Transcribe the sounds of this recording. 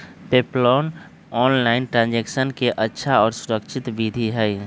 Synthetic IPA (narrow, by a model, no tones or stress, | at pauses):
peːplɔːn | ɔːnlaɪnʈɾãːnd͡ʒeːksənkeʔətːʃʰaɔːɾsʊɾəkʃʰɪt̪bid̪ʱiɦɛɛ